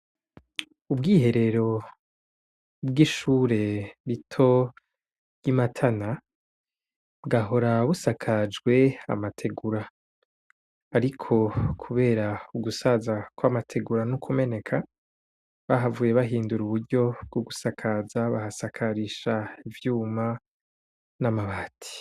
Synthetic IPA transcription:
ubɡiːɦe̞ɾe̞ɾo̞ | bɡiʃuːɾe̞ɾitʰo̞ | jimatʰana | bɡaɦo̞ɾaβusakʰad͡ʒɡwe̞a̰matʰe̞ɡuɾa | ɾikʰo̞kʰuβe̞ːɾauɡusazakwamatʰe̞ɡuɾanukʰume̞ne̞kʰa | βaɦavuːje̞βaɦiːnduɾuβuɾɟo̞b̚ɡ̥uɡusakʰazaβahasakʰaɾiʃaivjuːma | namaβaːtʰi̥

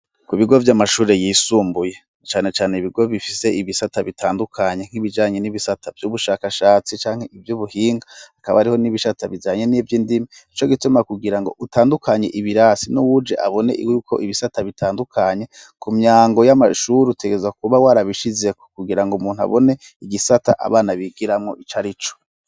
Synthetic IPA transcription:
kuβiɡo̞vjamaʃuːɾe̞jiːsuːmbuje | t͡ʃaːne̞t͡ʃaːneiβiɡo̞βifise̞ʔiβisataβitʰaːndukʰaɲe̞ŋ̥iβid͡ʒaːɲe̞niβisatavjuβuʃaːkaʃaːt͡sit͡ʃaːŋ̥he̞ivjuβuhiːŋɡaakaβaaɾiho̞niβiʃataβid͡ʒaːɲe̞nivjiːndimait͡ʃo̞ɡitumakuɡiɾaŋɡo̞̰ʔutaːndukʰaɲe̞ʔiβiɾaːsinuwud͡ʒe̞ʔaβo̞ne̞̰ʔjukʰo̞̰ʔiβisataβitʰaːndukʰaɲe̞kumɲaːŋɡo̞jamaʃuːɾiute̞ɡezak̚uβawaːɾaβiʃize̞ko̥kuɡiɾaŋɡomuːn̥ua̰βone̞ | iɡisata̰ʔa̰βaːnaβiɡiɾamŋo̞ʔit͡ʃaɾit͡ʃo̥

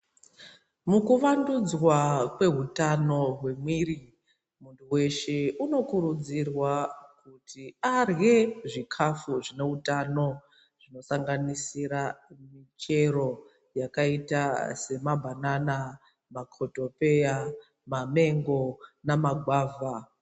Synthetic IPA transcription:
mukuʋandud͡zwakwe̞ɦutano̞ɦwe̞mwiri | muntuwe̞ʃeuno̞kuɾud͡zirwakutʰiarɣe̞ʐikʰafuʐine̞ɦutano̞ | ʐ̥ino̞saŋɡanisiɾamit͡ʃe̞ɾo̞ | jakaitase̞mabʱanana | makʰoto̞pe̞ja | mame̞ŋɡo̞namaɡʱwaːva

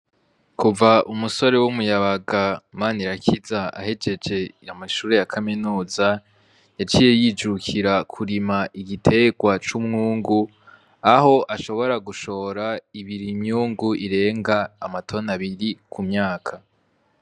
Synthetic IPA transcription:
kuvaʔumuso̞ɾe̞wumujaβaɡamaːniɾakʰizaa̰he̞d͡ʒe̞d͡ʒe̞jamaʃuːɾe̞jakʰaminuːza | jat͡ʃiːje̞jid͡ʒukʰiɾakʰuɾimaʔiɡitʰe̞ɡwat͡ʃumŋuːŋɡu | aho̞ʔaʃo̞βo̞ɾaɡuʃo̞ːɾaiβiɾimɲuːŋɡuʔiɾe̞ːŋɡaːmatʰo̞naβiɾikʰumɲaːkʰa

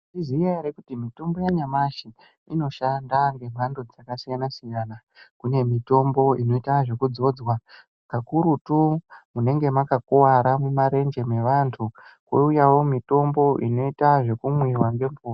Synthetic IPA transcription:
iziaiɾekutimito̞mbo̞jaɲamaʃi | ino̞ʃandaŋɡe̞m̤ʱandod͡zakasijanasijana | kune̞mito̞mbo̞ino̞itaʐe̞kud͡zo̞ːd͡zwa | kakuɾutumune̞ŋɡe̞makakowaɾamumaɾe̞nd͡ʒe̞me̞ʋantʰukwo̰ujawo̞mito̞mbo̞ʔino̞itaʐe̞kumwirwaŋɡe̞mpʰoːr

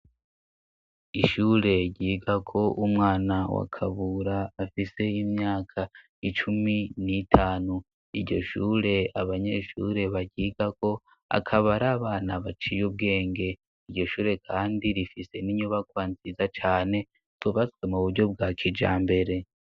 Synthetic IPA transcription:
iʃuːɾe̞ɟiːɡakʰo̞ʔumŋaːnawa̰kʰaβuɾaːfise̞imɲaːkʰa | it͡ʃuminitʰaːnu | iɾɟo̞̰ʃṵːɾe̞aβaɲe̞ʃṵɾe̞βaɟiːɡako̞ | a̰kʰaβaɾaːβaːnaβat͡ʃijub̚ɡe̞ːŋɡe̞ | iɾɟo̞ʃuːɾe̞kʰaːndiɾifise̞niɲuβakwaːnzizat͡ʃaːne̞ | z̥uβat͡swe̞muβuɾɟo̞b̚ɡaːkʰid͡ʒa̰ːmbe̞ɾe̞

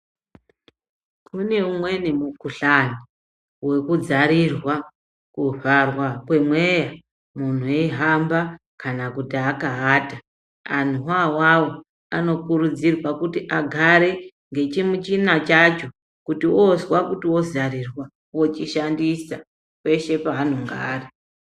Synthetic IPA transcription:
kʰune̞umwe̞nemukuɬani | we̞kud͡zaɾirwa | kuʐarwakwe̞mwe̞ja | mun̤ueɦamba | kanakutiaːkaɦata | an̤uwawawo | ano̞kuɾud͡zirwakutiʔaɡʱaɾe̞ | ŋɡe̞t͡ʃimut͡ʃinat͡ʃat͡ʃo̞ | kutiʔozwakutiwo̞zarirwa | wo̞t͡ʃiʃandisa | wwe̞ʃe̞paːnoŋɡaːri

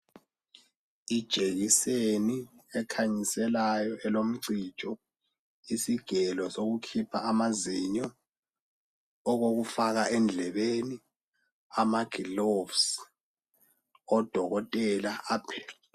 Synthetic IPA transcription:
id̥ʒ̥ʼʱeɣiseniɛkʰaɲisɛlajɔʔɛlom̩ǀit͡ʃʼɔ | isiɡ̥ʱɛlɔsoɣukʰipʰaːmaziɲɔ | ɣoɣufaɣaʔɛnd͡ɮʱɛβeni | amaɡ̥ʱilovs | ɔd̥ʱɔɣɔtʼɛlaʔaːpʰɛ

